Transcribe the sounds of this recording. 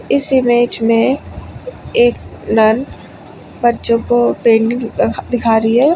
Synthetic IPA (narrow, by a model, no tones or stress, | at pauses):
ɪsɪmeːd͡ʒmẽ | eːknən | bɐɾt͡ʃõkopeːnd̪ɪkʰaːɾiɦɛː